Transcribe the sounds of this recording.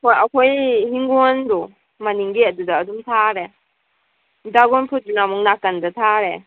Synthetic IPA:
kʰɔjakʰojɦiŋɡɔndɔ | maniŋɡiadudaːdumtʰaɾe | daɡɔnpʰut̚dunamɔŋnakandatʰaɾe

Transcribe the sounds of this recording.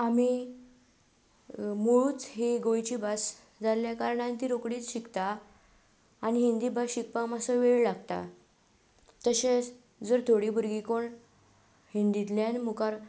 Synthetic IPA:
am̤i | muɭuːt͡sɦeɡõjt͡ɕibas | d͡zaljakaɾɳant̪iːɾokɽiːt͡sɕikt̪a | niɦind̪ibasɕik̚pamasəʋeɭlaɡt̪a̰ | t̪əɕet͡s | d͡zəɾt̪ʰoɽibuɾɡikoɳ | hind̪it̪ljanmukaɾ

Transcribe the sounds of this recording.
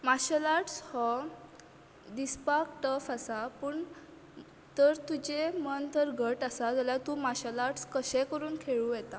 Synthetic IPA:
maɕəlaʈshɔ | d̪ispakʈəfasapəːɳ | t̪əɾt̪ud͡ʑemənt̪əɾɡʱəʈasat̪aljat̪umaɕəlaʈskəɕɛ̃kəɾuːnkʰeɭujɛt̪a

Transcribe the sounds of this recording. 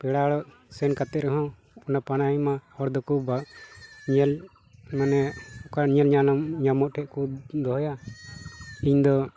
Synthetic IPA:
pɛɽaɽɔʔ | sɛnkat̪ɛɾɛɦɔ̃ | ɔnapanaimaɔɾd̪ɔkuba | ɲɛl | manɛkaɲɛlɲanɲamɔʔ̚ʈʰɛʔkud̪ɔɦɔja | iɲd̪ɔ

